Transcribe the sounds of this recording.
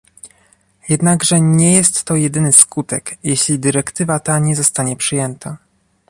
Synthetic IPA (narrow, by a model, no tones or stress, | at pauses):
jɛd̪naɡʐɛɲɛjɛst̪ːɔjɛd̪ɘnɘskut̪ɛkjɛɕlʲid̪ɘɾɛkt̪ɘvat̪aɲɛzɔst̪aɲɛpʂɘjɛnt̪ʰa